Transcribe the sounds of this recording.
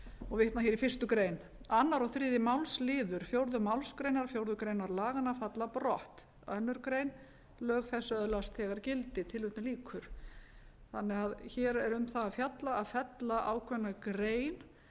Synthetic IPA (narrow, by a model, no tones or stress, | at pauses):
ɔɣvɪht̪naçjɛɾifɪr̥st̪ʏkɾeːjn | anːaɾɔθɾɪːðɪmawlslɪːðʏɾ̥fjowɾðʏmawlskɾejnaɾfjowɾðʏkɾeːjnaɾlaːɣanːafat̪laprɔ̰ht̪ | œnːʏɾkɾejn | lœːɣθɛsːʏœðlast̪ɛɣaɾcɪlt̪ɪt̪ʰɪlvʏht̪nʏliːkʰʏɾ̥ | θanːɛɣaðçɛːɾɛɾʏmθaːðfjat̪laaðfɛt̪laʔa̰wkʰvɛnːakɾeːjn